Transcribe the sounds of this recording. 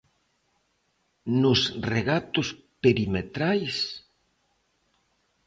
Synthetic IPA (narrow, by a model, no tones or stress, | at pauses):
nʊsreɣat̪ʊs | peɾimet̪ɾajs